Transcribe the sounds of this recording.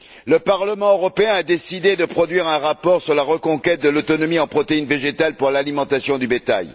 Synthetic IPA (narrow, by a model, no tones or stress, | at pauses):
ləpaʁləmɑ̃øʁɔpeɛ̃ad̪esid̪ed̪əpχɔd̪ɥiʁɛ̃ʁapɔʁsyʁlaʁəkɔ̃kʲɛt̪̚d̪əlot̪ɔnɔmiɑ̃pχɔt̪einveʒet̪alpuʁlalimɑ̃t̪asjɔ̃d̪ybet̪a̰j